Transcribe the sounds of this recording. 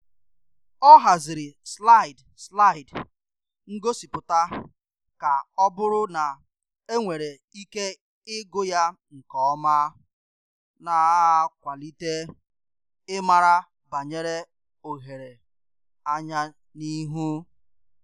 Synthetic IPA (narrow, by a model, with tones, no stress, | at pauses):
ɔ˦ɦa˨zɪ˨ɾɪ˨sla˦˨ɪ˨d | sla˦˨ɪ˨d | ŋ̩˦ɡo˦si˨pʊ˨ta˦ | ka˨ɔ˦bʊ˦ɾʊ˦na˨ | e˦ŋʷe˨ɾe˨ | i˦ke˦ | ɪ˦ɡʊ˦ja˦ŋ̩˨kɔ˦ɔ˦ma˦ | na˨˦a˦kʷa˨li˦te˦ | ɪ˦ma˨ɾa˦ | ba˨ɲe˦ɾe˦ | o˨ɦe˨ɾe˨ | a˦ɲa˦ | ni˦ɦu˦